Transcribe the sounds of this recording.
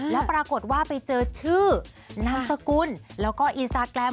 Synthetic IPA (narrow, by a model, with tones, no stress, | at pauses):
lɛ˦˥pɾaː˧ko˨˩t̪̚waː˥˩pa˧jt͡ɕɤː˧t͡ɕʰɯː˥˩ | na˦˥msa˧kuː˧nlɛː˦˥wkɔː˥˩ʔi˧nst̪aː˧kɾɛ˧m